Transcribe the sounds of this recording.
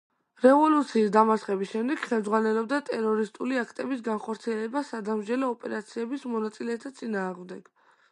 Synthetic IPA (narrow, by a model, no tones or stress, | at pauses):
ɾɛvɔlut̪sʰiːsd̪amasχɛbisʃɛmd̪ɛɡ̥χɛld̪zʁwanɛlɔb̚d̪at̪ʼɛɾɔɾist̪ʼuliakʰt̪ʼɛbisɡanχɔɾt̪sʰiɛlɛbasad̪amd͡ʒɛlɔːpʼɛɾat̪sʰiɛbismɔnat̪sʼilɛt̪ʰat̪sʼinaːʁmd̪ɛɡ̥